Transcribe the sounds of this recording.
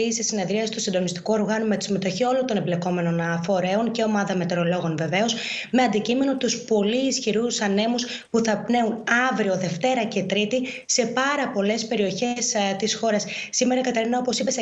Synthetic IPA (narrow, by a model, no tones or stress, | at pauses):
iisesine̞ðɾiɐsi̥st̪usind̪o̞nist̪i̥kuo̞ɾɣɐnume̞t̪i̥sime̞t̪o̞çio̞lo̞nt̪o̞ne̞ble̞ko̞me̞no̞nɐfo̞ɾe̞o̞nceo̞mɐðɐme̞t̪e̞ɾo̞lo̞ɣo̞nve̞ve̞o̞s | me̞ɐnd̪icime̞no̞t̪uspo̞liːsçiɾusɐne̞mus | puθɐpne̞unɐvɾio̞ðe̞ft̪e̞ɾɐce̞t̪ɾit̪i | se̞pɐɾɐpo̞le̞spe̞ɾio̞çe̞st̪isxo̞ɾɐsːime̞ɾɐkɐt̪eɾinɐo̞posipes